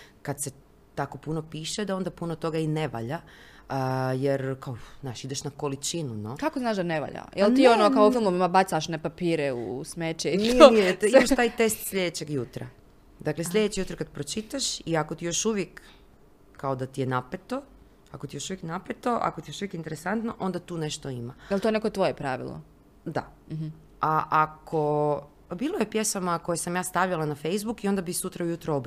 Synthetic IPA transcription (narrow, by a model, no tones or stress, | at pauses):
kad̪se̞ | t̪ako̞puno̞piːʃed̪ao̞nd̪apunot̪o̞ɡaine̞ʋa̰ʎa | jeɾkaoznaːʃid̪eʃnako̞lit͡ʃinunokakoznaːʃd̪aneʋa̰ʎa̰jelt̪ionokaofilˠmoʋimabat̪saʃnepapiːɾeṵsmet͡ʃeit̪oimaʃt̪aːjt̪est̪sʎʲed̪et͡ɕeɡjut̪ɾa | d̪akle̞slʎed̪et͡ɕijut̪ɾkad̪pɾot͡ʃit̪aʃiako̞t̪ijo̞ʃuʋjekː | aod̪at̪ije̞napet̪o̞ | akot̪ijo̞ʃuʋjeknapet̪o̞ʔa̰kot̪ijo̞ʃuʋjekint̪eɾesant̪noʔo̞nd̪at̪uːne̞ʃt̪o̞imaalt̪oenekot̪ʋojepɾaʋḭlˠo̰ | d̪a̰ | aʔakʰo̞ | biːlˠoje̞pje̞sʋamako̞jesamjaːst̪aʋʎalanafejzbukio̞nd̪abisut̪ɾaujut̪ɾaob